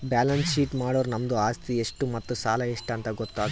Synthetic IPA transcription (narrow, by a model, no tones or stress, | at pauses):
baːlɐnsʃiːʈmaːɽoːɾunɐmd̪uaːst̪ieʂʈumɐt̪ːusaːlɐeʂʈɐnt̪ɐɡot̪ːaːɡ